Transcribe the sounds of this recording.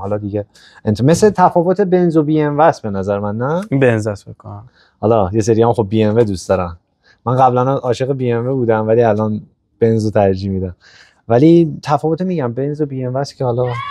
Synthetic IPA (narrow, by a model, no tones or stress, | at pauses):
hɒlɒd̪iɟe | ent̪me̞slet̪ʰæfɒːvo̞t̪ʰe̞be̞nzobiːenvæsbe̞næzæɾemænːæibenzæsbekʰɔ | hɒlɒje̞seɾihæmχob̚ːiːenved̪uːst̪ɒɾæm | mænɢæblænæʔɒːʃeɣebiːenvebuːd̪æmvæliælɒːn | b̥e̞nzot̪ʰæɾd͡ʒiːmiːd̪æm | vælit̪ʰæfɒːvot̪emiɟæmbe̞nzobiːenvæscʰehɒlɒ